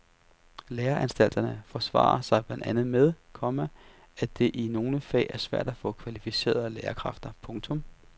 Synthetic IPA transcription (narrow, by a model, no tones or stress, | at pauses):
leːɐʔænsd̥æl̰d̥ɐnəfɒsʋɑ̰̈ːɐsɑ̈ɪb̥lænd̥ænð̞̩ˠmeð̞ˠkʰɒ̽mæ | æd̥e̝ʔino̝ːnəfɛ̰ːʔæɐsʋæɐ̰d̥æfɔ̰̽ːkʰʋælifise̝̰ːɐ̰ðˠleːɐkʰʁɑ̈fd̥ɐpʰɔ̽ŋt͡sʰɔ̽m